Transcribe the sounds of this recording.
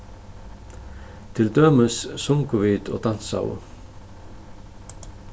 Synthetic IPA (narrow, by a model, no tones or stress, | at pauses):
t̪ʰɪld̪øːməssʊŋkʊʋiːd̪o̰ːd̪ɑn̥sa̰wə̰